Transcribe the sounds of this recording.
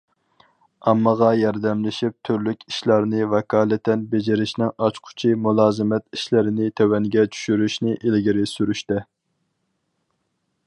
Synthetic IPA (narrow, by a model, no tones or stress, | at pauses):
ɑmːɑʁɑjɑɾd̪ɛmlɪʃip̚t̪ʰyɾlykʲi̥ʃlˠɑɾnɪvɛkʰɑːlˠɛt̪ɛnbed͡ʒɪɾɪʃnɪŋɑt͡ʃqʰʊ̥t͡ʃʰimulˠɑːzɨmɛt̪iʃlɪɾɪnɪt̪ʰɛwɛŋɡʲɛt͡ʃʰy̥ʃyɾyʃnɪʔelɡʲiɾɪsyɾyʃt̪ɛ